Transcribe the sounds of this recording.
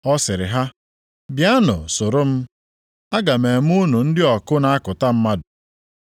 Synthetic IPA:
ɔ˦sɪ˨ɾɪ̰˨ɦa˦ | bja˦nʊ̰˨sʊ˨ɾʊ˦m̩˦ | a˦ɡa˨me˨m̩˦u˦nu˨n̩˦dɪ˦ɔ˨kʊ˦na˨a˦kʊ˨ta˦m̩˦ma˦dʊ˨

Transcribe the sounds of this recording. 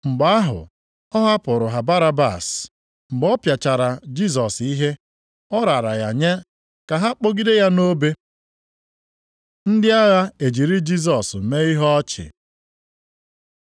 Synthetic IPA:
ŋ͡m̩˨ɡ͡ba˦a˦ɦʊ̰˨ | ɔ˦ɦa˦pʊ˨ɾʊ˨ɦa˨ba˦ɾa˦ba̰˨s | ŋ͡m̩˨ɡ͡bɔ˦pja˨t͡ʃa˨ɾa˨d͡ʒi˦z̬ɔ˨si˦ɦe˦ | ɔ˦ɾa˨ɾa˨ja˨ɲe˦ | ka˨ɦa˦k͡po˦ɡi˦de˦ja˦no˦be˦ | n̩˦dɪ˦a˦ɣa˦e˨d͡ʒi˨ɾi˦d͡ʒi˦s̬ɔ˨s̩˨me˦i˦ɦɔ˦t͡ʃɪ̰˨

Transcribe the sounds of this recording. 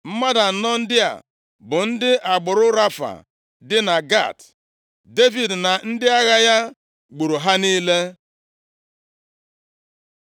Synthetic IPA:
m̩˦ma˦da˨n̩˦nɔ˦n̩˦dɪ˦a̰˨ | bʊ˨n̩˦dɪ˦ʔa˨ɡ͡bʊ˨ɾʊ˦ɾa˦fa̰˨ | dɪ˦na˨ɡa̰˦˨t | de˦vi˨dna˨n̩˦dɪ˦a˦ɣa˦ja˦ | ɡ͡bu˨ɾu˨ɦa˦niː˦le˦

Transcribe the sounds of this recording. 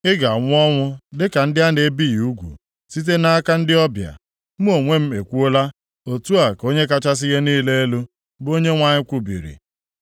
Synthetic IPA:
ɪ˦ɡa˨ŋʷʊ˦ɔ˦ŋʷʊ˦dɪ˦ka˨n̩˦dɪ˦a˦ne˦bi˦˨u˦ɡʷṵ˨ | si˦t̬e˦na˦a˦ka˦n̩˦dɪ˦ɔ˦bja̰˨ | m̩˦o˨ŋʷe˦m̩˦e˨kʷu˦o˦la˦ | o˨tu˦a˨ko˦ɲe˦ka˦t͡ʃa˦s̬ɪ˦ɣe˦niː˦le˦e˦lu˦ | bo˦ɲe˦ŋʷa˦ɲɪ˦kʷu˦bḭ˨ɾḭ˨

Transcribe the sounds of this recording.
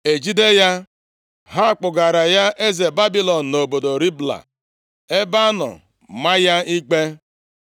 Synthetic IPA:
e˨d͡ʒi˦de˦ja˦ | ɦa˦˨k͡pʊ˨ɡa˨ɾa˨ja˦ʔe˦ze˨ba˦bi˦lɔ˨n̩˨no˨bo˨do˨ɾi˦bla̰˨ | e˦ba˦nɔ̰˨ | ma˦ja˦i˦k͡pe˦

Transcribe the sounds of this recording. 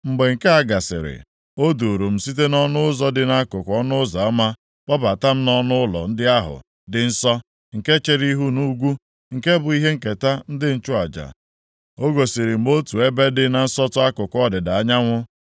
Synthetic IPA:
ŋ͡m̩˨ɡ͡be˨ŋ̩˨ke˦a˦ɡa˨sɪ̰˨ɾɪ̰˨ | o˦du˨ɾu˨m̩˨si˦t̬e˦nɔ˦nʊ˦ʊ˦zɔ˦dɪ˨na˦kʊ˨kʷɔ˦nʊ˦za˨a˦ma˦ | bɔ˦ba˨ta˦m̩˦nɔ˦nʊ˦ʊ˦lɔ̰˨n̩˦dɪ˦a˦ɦʊ̰˨ | dɪ˨n̩˦sɔ˦ | ŋ̩˨ke˦t͡ʃe˨ɾi˦ɦu˦nu˦ɡʷu˦ | ŋ̩˨ke˦bʊ˨i˦ɦe˦ŋ̩˨ke˨ta˦n̩˦dɪ˦n̩˦t͡ʃʊ˦a˨d͡ʒa̰˨ | o˦ɡo˨si˨ɾi˨m̩˨ɡ͡bo˦tu˨e˦be˦dɪ˦na˨n̩˦sɔ˦tʊ˦a˦kʊ˨kʷɔ˦dɪ˨da˨a˦ɲa˦ŋʷʊ˦

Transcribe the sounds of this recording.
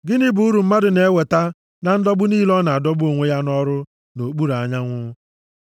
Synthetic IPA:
ɡɪ˦nɪ˦bʊ˨u˦ɾu˨m̩˦ma˦dʊ˨ne˨e˦we˨ta˦ | na˨n̩˦dɔ˦bʊ˦niː˦lɔ˦na˨a˨dɔ˦bo˨ŋʷe˦ja˦nɔ˦ɾʊ˦ | no˨k͡pu˦ɾa˨ɲa˦ŋʷʊ˦

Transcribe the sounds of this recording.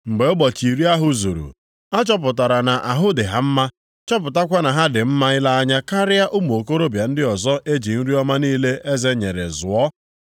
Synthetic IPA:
ŋ͡m̩˨ɡ͡be˨˦ʊ˦ɡ͡bɔ˨t͡ʃi˨ɾi˦a˦ɦʊ˦zṵ˨ɾṵ˨ | a˦t͡ʃɔ˦p̬ʊ˨ta˨ɾa˨na˨ʔa˨ɦʊ˦dɪ˨ɦa˦m̩˦ma˦ | t͡ʃɔ˦p̬ʊ˨ta˦kʷa˦na˨ɦa˦dɪ˨m̩˦ma˦ɪ˦la˦a˦ɲa˦ka˦ɾɪ˦a˦ʔʊ˦m˨o˨ko˦ɾo˦bja˨n̩˦dɪ˦ɔ˨zɔ˦ʔe˦d͡ʒi˨n̩˦ɾi˦ɔ˦ma˦niː˦le˦ʔe˦ze˦ɲe˨ɾḛ˨zʊ˨ɔ˦

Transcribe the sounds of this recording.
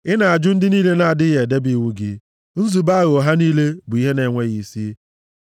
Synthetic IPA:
ɪ˦na˨a˨d͡ʒʊ˦n̩˦dɪ˦niː˦le˦na˨a˨dɪ˦ɣe˨de˦bi˦˨wu˦ɡɪ˦ | n̩˦zu˨ba˦ɣo˨ɦa˦niː˦le˦bʊ˨i˦ɦe˦ne˨ŋʷe˦ɣi˨˦si˦

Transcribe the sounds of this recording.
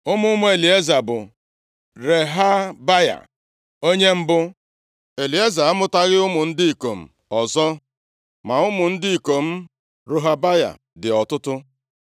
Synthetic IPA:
ʊ˦mʊ˦mʊ˦e˨li˨e˦za˨bʊ˨ | ɾe˨ɦa˦ba˦ja̰˨ | o˦ɲe˦m̩˦bʊ˦ | e˨li˨e˦za˨a˦mʊ˦ta˦ɣɪ˦ʊ˦mʊ˨n̩˦dɪ˦i˨ko˨m̩˨ | ɔ˨zɔ˦ | ma˨ʊ˦mʊ˨n̩˦dɪ˦i˨ko˨m̩˦ | ɾo˦ɦa˦ba˦ja̰˨ | dɪ˨ɔ˨tʊ˦tʊ˦

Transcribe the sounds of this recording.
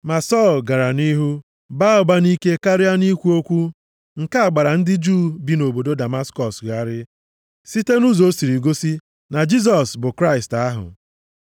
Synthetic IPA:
ma˨sɔ˦˨lɡa˨ɾa˨ni˦ɦu˦ | ba˦ʊ˨ba˦ni˦ke˦ka˦ɾɪ˦a˦ni˦kʷu˦o˦kʷu˦ | ŋ̩˨ka˦a˨ɡ͡ba˨ɾa˨n̩˦dɪ˦d͡ʒu˦˨bi˨no˨bo˨do˦da˨ma˦skɔ˨sɣa˨ɾɪ˦ | si˦te˦nu˦zo˦si˨ɾi˨ɡo˦si˦ | na˨d͡ʒi˦z̬ɔ˨sbʊ˨kɾa˦ɪ˨sta˦ɦʊ̰˨

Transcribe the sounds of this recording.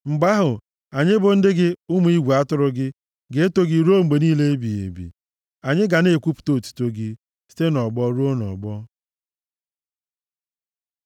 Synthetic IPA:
ŋ͡m̩˨ɡ͡ba˦ɦʊ˨ | a˨ɲɪ˦bʊ˨n̩˦dɪ˦ɡɪ˦ʊ˦mu˨˦i˦ɡʷu˨a˦tʊ˦ɾʊ˦ɡɪ˦ | ɡe˨˦e˦to˦ɡi˨ɾo˦ŋ͡m̩˨ɡ͡be˨niː˦le˦e˦bi˨ḛ˨bḭ˨ | a˨ɲɪ˦ɡa˨ne˦˨kʷu˦pu̥˨to˦˨tu̥˨to˦ɡɪ˦ | si̥˦te˦nɔ˨ɡ͡bɔ˦ɾu˦o˦nɔ̰˨ɡ͡bɔ˦

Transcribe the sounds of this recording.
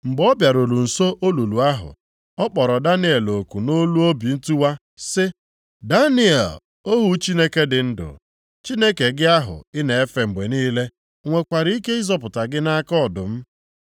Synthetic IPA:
ŋ͡m̩˨ɡ͡bɔ˦bja˨ɾo˨ɾu˨n̩˨so˦ʔo˦lu˨lu˨a˦ɦʊ̰˨ | ɔ˦k͡pɔ˨ɾɔ˨da˦nɪ˦e˨lo˨ku˨no˦lu˦o˦bi˨n̩˦tu˦wa˦ | sɪ˦ | da˦nɪ˦ḛ˨l | o˦ɦu˨t͡ʃi˦ne˦ke˦dɪ˨n̩˦dʊ̰˨ | t͡ʃi˦ne˦ke˨ɡɪ˦a˦ɦʊ̰˨ɪ˦ne˨e˦fe˨ŋ͡m̩˨ɡ͡be˨niː˦le˦ | ŋʷe˨kʷa˨ɾi˦i˦ke˦i˦zɔ˨pʊ˨ta˨ɡɪ˦na˦kɔ˦˨dʊ˨m̩˦

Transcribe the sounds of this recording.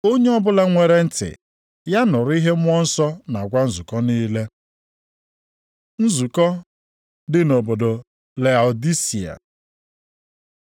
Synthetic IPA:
o˦ɲe˦ɔ˦bʊ˦la˦ŋʷe˨ɾe˦n̩˦tɪ̰˨ | ja˦nʊ˨ɾi˦ɦe˦mʷ˦ɔ˦n̩˦sɔ˦na˨ɡʷa˦n̩˦zu˨kɔ˦niː˦le˦ | n̩˦zu˨kɔ˦ | dɪ˦no˨bo˨do˨ | le˨a˨o˨di˦si˨a̰˨

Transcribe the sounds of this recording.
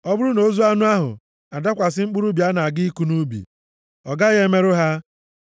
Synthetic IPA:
ɔ˦bʊ˦ɾʊ˦no˨˦zu˦a˦nʊ˦a˦ɦʊ̰˨ | a˨da˦kʷa˨s̬ɪ˦ŋ͡m̩˦k͡pu˦ɾu˦bja˦na˨a˨ɡɪ˦i˦ku˦nu˦bḭ˨ | ɔ˨ɡa˦ɣe˦me˦ɾʊ˦ɦa˦

